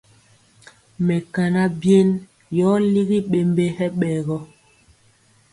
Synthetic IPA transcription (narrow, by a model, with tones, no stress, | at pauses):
mɛ˨ka˨na˦bje˦n | jɔ˦li˦ɣi˦ɓe˨mbe˦hɛ˦ɓɛː˨ɣɔ˦